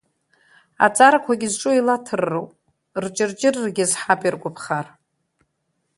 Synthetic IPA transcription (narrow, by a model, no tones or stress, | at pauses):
a̰t͡sʼaɾakʷʰaɡʲɪzʈ͡ʂʼuilatʰɨrːowpʼ | rt͡ʃʼɪrd͡ʒɪrrɡʲɪzħapʰʼirɡʷʼʊpʰχar